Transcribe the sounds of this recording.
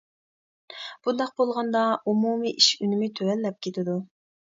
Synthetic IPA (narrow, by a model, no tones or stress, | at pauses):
b̥und̪ɑq̚bolˠʁɑnd̪ɑumumiʔiʃynɪmɪt̪ʰøɾɛlːɛp̚kʲʰet̪ʰɪd̪u